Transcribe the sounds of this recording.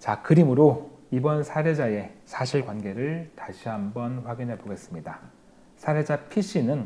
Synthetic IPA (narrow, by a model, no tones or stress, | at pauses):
t͡ɕakɯɾimɯɾoibʌnsʰaɾe̞d͡ʑae̞sʰaɕʰiɭkwanɡe̞ɾɯɭtaɕʰiɦambʌnɸwaɡinɦe̞poɡe̞s͈ɯmɲida | sʰaɾe̞d͡ʑapʰiɕ͈inɯn